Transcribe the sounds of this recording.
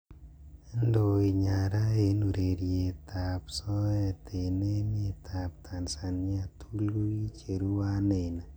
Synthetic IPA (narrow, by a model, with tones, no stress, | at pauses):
e˦ndo˨i˨ɲa˨ɾa˦e˦nu˨ɾe˨ɾje˨t̪ʰa˨psɔ˦ɛ˦t̪ʰe˨ne˦me˦t̪ʰa˨p̚t̪ʰa˨nsa˨nɲɪ˦a˨t̪ʰu˦lɡu˦i˦t͡ʃe˨ɾu˦wa˦ne˨na˨